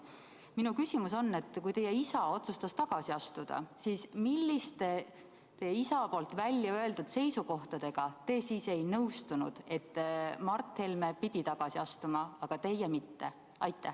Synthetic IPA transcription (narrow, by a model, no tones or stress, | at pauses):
minukysimuso̞nːe̞t̪ːkujt̪e̞jːɛisɑo̞t̪sust̪ɑst̪ɑɡ̥ɑsiɑst̪ud̪̥ɑ̰siːsmilʲːist̪e | t̪e̞jeisɑpo̞lt̪ˑvælʲːjɑø̞e̞ld̪ud̪̥se̞jsuko̞ht̪ɑd̪̥e̞ɡ̥ɑt̪e̞ːsiːse̞jnɤwst̪unṵd̪̥e̞t̪ːmɑrt̪ːhelme̞pid̪̥ʲit̪ɑɡ̥ɑsiɑst̪umɑɑɡ̥ɑt̪e̞jɛmit̪ːe̞ | ɑjt̪ːˑæh